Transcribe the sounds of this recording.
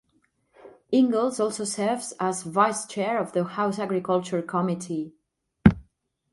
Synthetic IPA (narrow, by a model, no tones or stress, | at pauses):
ɪ̃ŋɡəl̩ˠzɔlˠsosɛɹvzazvaɪst͡ʃɛɹɔvðəhaʊsaɡɹikʰʌlˠt͡ʃəɹkʰɔmitʰi